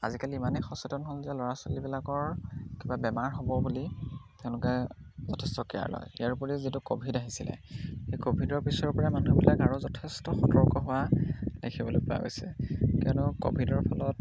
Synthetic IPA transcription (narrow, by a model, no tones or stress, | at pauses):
a̰zikaliːmanɛxɔsɔtɔnɦolzɛlɔɹasɔlibilakɔɹkibabɛmaɹɦobɔbulitɛʊ̃lʊkɛzɔtʰɛstɔkɛja̰ɹlɔ̰jijaɹupɔɹizitukobʱidaɦisilɛ̰xejkobʱidɔɹpisɔɹpɔɹamanubilakaɹʊzɔtʰɛstɔxɔtɔɹkɔɦʊwadekʰibɔlojpa̰ɡɔ̰sɛ̰kɛɔnɔko̰bʱidɔɹpʰɔlɔt̚